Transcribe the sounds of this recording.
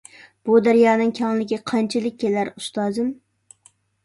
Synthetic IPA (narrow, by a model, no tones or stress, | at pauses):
b̥ud̪æɾjɑːnɨŋkʲʰɑŋlˠɪkʲiqʰɑnt͡ʃʰɪlɪk̚ʲʰːelæɾust̪ɑːzɨm